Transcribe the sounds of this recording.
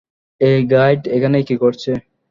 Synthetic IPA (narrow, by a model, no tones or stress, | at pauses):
eɡajɖekʰanejkikoɾt͡ɕʰe